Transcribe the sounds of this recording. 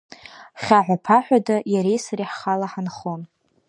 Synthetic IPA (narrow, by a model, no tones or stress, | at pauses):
χʲaʕʷapʰaħʷᶣadajaɾejsaɾiħχalaħanχon